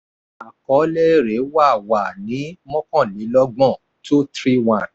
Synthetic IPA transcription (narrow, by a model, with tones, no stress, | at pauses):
a˨kɔ˨˦le˦ɾe˨˦wa˦˨wa˨nĩ˨˦mɔ̃˦kɔ̃˦˨li˨˦lɔ˦ɡ͡bɔ̃˦˨ | tu˦tɾi˦wã˦˨n